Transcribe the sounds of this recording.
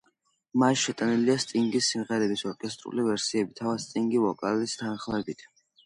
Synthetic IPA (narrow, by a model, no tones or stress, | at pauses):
masʃɛt̪ʼaniliast̪ʼiŋɡisːimʁɛɾɛbisɔɾkʼɛst̪ʼɾṵlivɛɾsiɛbit̪ʰavad̪st̪ʼiŋɡivɔkʼalist̪ʰanχlˠɛbit̪ʰ